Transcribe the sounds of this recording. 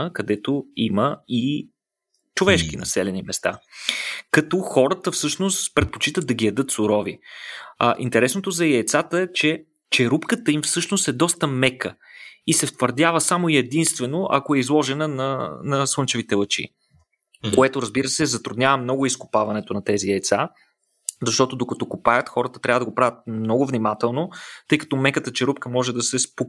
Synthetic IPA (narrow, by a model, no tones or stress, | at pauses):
əkɐd̪ɛt̪oiməi | t͡ʃovɛʃkinɐ̰sɛlɛnimɛst̪a̰ | kɐt̪ɔxɔɾət̪əfsɤʃnost̪pɾɛt̪̚po̥t͡ʃit̪ət̪ːɐɡijɐd̪ɤt̪sʊɾɔvḭ | ʔint̪ɛɾɛsnot̪ozɐiːt̪sat̪əɛt͡ʃɛ | t͡ʃɛɾupkət̪əimfsɤʃnost̪ɛd̪ɔst̪əmɛkəisɛft̪vəɾd̪ʲjavəsamoiɛd̪inst̪vɛnoʔɐ̰koɛizlˠɔʒɛnənɐnɐswˠɤnt͡ʃɛvit̪ɛlˠət͡ʃḭ | koɛt̪oɾɐzbiɾəsɛzɐt̪ɾud̪nɲʲjavəmːnɔɡʊiskʊ̥pavɐnɛt̪onɐt̪ɛziɛt̪sa | zɐʃt̪ɔt̪od̪okɐt̪ɔkʊpajət̪xɔɾət̪ət̪ɾʲavəd̪ɐɡopɾavʲət̪̚mnɔɡʊvnimat̪ɛlˠnot̪ɤjkɐ̥t̪ɔmɛkət̪ət͡ʃɛɾupkəmɔʒɛd̪ɐsɛspo